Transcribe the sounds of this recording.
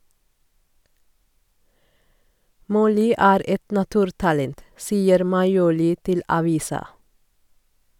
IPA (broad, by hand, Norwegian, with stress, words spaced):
ˈmɔlʏ ˈæːɾ ˈʔɛt nɑˈtʉːɾtɑlɛnt ˈsiːəɾ mɑɪˈuːlɪ ˈtɪl ɑˈʋiːsɑ